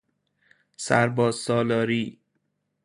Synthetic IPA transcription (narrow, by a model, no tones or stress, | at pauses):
sæɾbɒːzsɒːlɒːɾiː